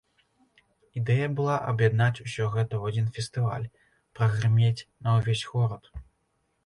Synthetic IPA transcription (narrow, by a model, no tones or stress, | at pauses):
id̪ɛjɐbɨlˠaʔɐbjad̪nat͡sʲusʲɔɣɛt̪ɐwad͡zʲinfʲɛst̪ɨva̰lʲ | pɾɐɣrɨmʲet͡sʲnɐwvʲesʲɣɔɾɐt̪